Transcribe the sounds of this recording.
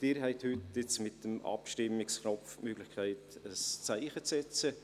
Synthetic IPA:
d̥ɪːɾɦɛɪthʏtːɪt͡smɪt̚d̥əmɑ̰pʃtɪmːɪkskʰnɔftmøːɡ̥lɪxkʰaɪtəst͡saɪχət͡sɛt͡sə

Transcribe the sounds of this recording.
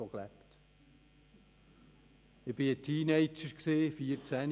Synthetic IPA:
oklæpt | ɪb̥ɪətʰiːneɪt͡ʃəɾksiːfiəɾt͡sæn

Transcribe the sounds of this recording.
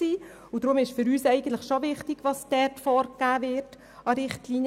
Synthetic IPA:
siː | ʊd̥ɾʊmɪʃfʏɾyːsɛɪɡən̩tləχʃoʋɪχtɪɡ̥ʋɑsdɛtfɔɾkːæːvɪt | ɑɾɪχtliːnjə

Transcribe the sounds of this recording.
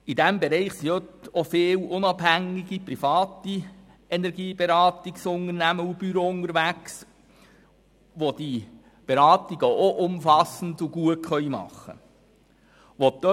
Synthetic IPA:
id̥ɛmbeɾɛɪχsiøtofeɪːlʊnɑb̥hæŋiɡ̥ipɾifɑːti | ɛnɛɾɡiːb̥eɾɑːt̪iksʊnəɾnæməub̥yɾoʊnəɾʋæks | ʋod̥i | b̥eɾɑːtiɡəoʔʊmfɑsn̩duɡuətχœʏmɑ̰χːə̰ | ʋotd̥ø

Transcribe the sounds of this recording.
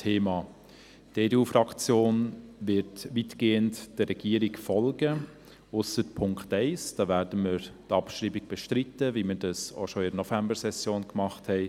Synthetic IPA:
tʰeːmɑː | teːdeuːfɾɑkt͡sjoːnʋɪtʋitɡ̥eːəntd̥əɾɛɡ̥iːəɾiɡfɔlɡə | ʊsətpʰʊŋkχtɛɪsd̥ɑːʋæːɾdəməɾtɑpʃɾiːbɪɡ̥̚b̥ɛʃtɾɪtːəʋiməɾdɑso̰ʃoɪdənɔfæmbəɾsɛsjoːnkmɑχthɛɪ

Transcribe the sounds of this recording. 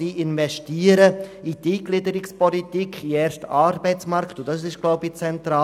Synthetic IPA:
iːʔɪnvɛʃtiːəɾəidiːɡlɪdəɾɪkspɔlitikʰiɛːɾʃtɑɾbɛɪt͡smɑɾktʊd̥ɑs̬ɪʃɡ̥loʊbit͡sɛntɾaː

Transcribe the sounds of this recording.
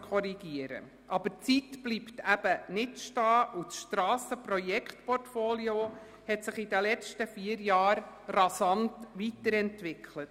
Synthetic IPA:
kʰɔɾiɡ̥iəɾə̰ | ʔɑb̥ət͡sitb̥liptʰæb̥ənɪtʃtɑːʔut͡sʃtɾɑːsəprɔjɛkχtpɔrtfoːlio | hɛtsɪχidəlɛt͡stəfiəɾjɑːɾrɑsɑntʋitəɾɛntʋɪkʰlət

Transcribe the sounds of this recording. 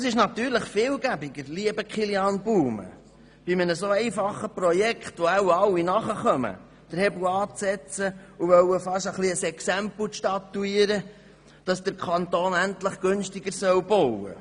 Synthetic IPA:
əsɪʃnɑt̪yːɾləχfɪːlɡæbɪɡəɾliəbəkχiljɑːnbuːmə̰ | b̥imənəsoːɛɪfɑχːəpɾɔjɛkχtʋɔæwɑwːinɑχəχœmə̰ | d̥əɾhɛblɑːt͡sɛt͡səuʋœwəfɑʃəχliəsɛksæmpl̩ʃtɑt̪ːuiːəɾə | d̥ɑsd̥əɾkʰɑnt̪oːnæntləχɡ̥ʉnʃtɪɡəɾsœwbowə̰

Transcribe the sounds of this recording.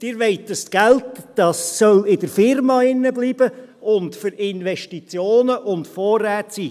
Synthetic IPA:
d̥ɪːɾʋɛɪtdəstɡ̥æltd̥ɑsːœlɪdəɾfɪɾmɑːɪnːəbliːb̥əʊntfʏɾɪnʋɛʃtit͡sjoːnəʔʊntfɔːrːæːtsiː

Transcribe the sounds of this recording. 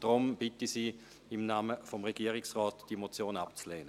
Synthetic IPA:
d̥ʁʊmb̥ɪtisiː | ɪmnaːməfɔmʁeɡ̥iːəʁɪksʁɔːtd̥imot͡sjoːnapt͡sleːnə

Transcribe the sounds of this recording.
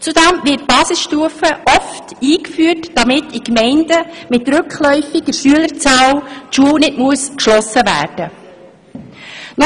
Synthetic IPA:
t͡sudæmʋɪt̚b̥ɑːsɪsʃtuəfəʔɔftiːkfyːətd̥ɑmɪtikmɛɪndəmɪtɾʉkχlɔʏfiɡəɾʃyələɾt͡sɑːwtʃuəwnɪdmuəskʃlɔsəʋæ̰ːɾd̥ə | nɔ

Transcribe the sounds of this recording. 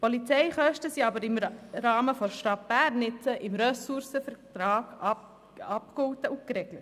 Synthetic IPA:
pʰɔlit͡sɛɪχœʃtəsiɑbəɾɪmɾɑːməfɔɾʃtɑt̚b̥æːɾnɪt͡səʔɪmɾœsuɾsəfɛɾtɾɑːɡ̥ | ɑpkhɔtəʔʊkɾɛɡ̥lət

